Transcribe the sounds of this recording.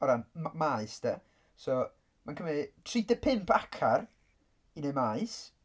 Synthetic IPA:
ɔɾanmaɨsd̥ɛ | sɔ | mankʰəmtʰridəpʰɪmpʰakʰar | inemajs

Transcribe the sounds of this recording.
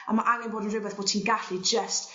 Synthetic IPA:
a̰maʔaŋɛnboːdənrɪbɛðboːd̥̚tʰiːnɡaɬid͡ʒəst

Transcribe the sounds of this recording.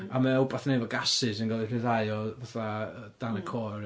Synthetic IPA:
amɛɔbaθnejvɔɡasɨsənɡɔlˠirɪðajɔvaθa | d̥anəkʰɔr

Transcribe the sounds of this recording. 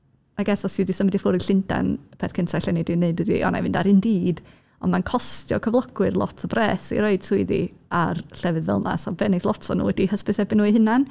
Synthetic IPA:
aɡɛsɔsɨdisəmɪdifʊɾiɬɪnda̰npʰeːθkʰəntʰaɬɛnɨdineɨdɨdḭɔ̰na̰jvɨndaɾɨndiːd | ɔ̰nmankʰɔstjɔ̰kʰəvlˠɔɡwɨrlˠɔ̰tʰɔbrɛːsḭɾɔɨd̥sʰuɨðḭ | arɬɛvɨðvɛ̰lˠna̰sɔbɛnɨθlˠɔtʰɔnṵːwɛdihəspɨθɛbɪnːuːihɨnan

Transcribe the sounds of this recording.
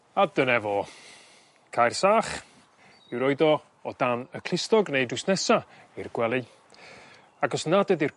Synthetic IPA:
adənɛvɔ | kʰajrsaːχ | ɪwɾɔɨdɔ | ɔd̥anəkʰl̥ɪstɔɡnejdwɪsnɛsa | irɡwɛlˠɨ | aɡɔsnadɛdir

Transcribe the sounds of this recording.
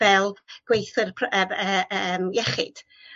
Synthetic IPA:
ɛlˠɡ̥wejθɨrpʰəəəːmjɛχɪ̰d̥

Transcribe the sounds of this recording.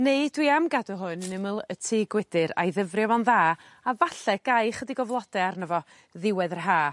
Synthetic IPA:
neɨdwiamɡadɔɦʊnənɪməlˠətʰɪːɡwɪdɨɾa̰jðəvrjvɔnðaː | avaɬɛɡ̥ajχədiɡɔvlˠɔdɛarnəvɔ | ðɪwɛðərɦaː

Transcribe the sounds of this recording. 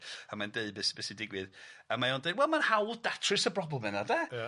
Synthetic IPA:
amandeɨbɛsbɛsidɪɡwɨðəmajondewɛlˠmanhawlˠdatʰrɨsəbrɔbləmɨnada

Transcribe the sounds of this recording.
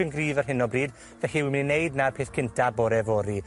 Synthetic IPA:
ənɡriːvərɦɪnɔbriːd | vɛɬiwimɪninːejdnapʰeːθkʰɪntʰabɔɾɛvɔɾi

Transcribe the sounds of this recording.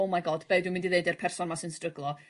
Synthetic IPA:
omajɡɔːd̥b̥eɨdumɪndiðeɨdɛrpʰɛrsɔnmasɨnstrəɡlˠɔ

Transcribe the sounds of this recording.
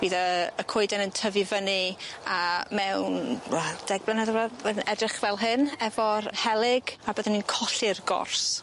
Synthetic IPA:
b̥iːðəəkʰʊɨdɛnəntʰəvɨvənɨamɛwnad̥ɛɡ̚blˠənəðəvaənɛdrɪχvɛlˠɦɨnɛvɔrhɛlˠɪɡabəðəninkʰɔɬɨrɡɔ̰rs

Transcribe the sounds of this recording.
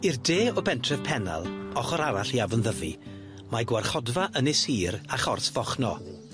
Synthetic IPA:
irdeːɔbɛntʰrɛv̥pʰɛna̰lˠɔχɔɾaɾaɬiavənðəvḭ | maɡwarχɔdvaʔənɛɪsiːɾaχɔrθv̥ɔχnɔ̰

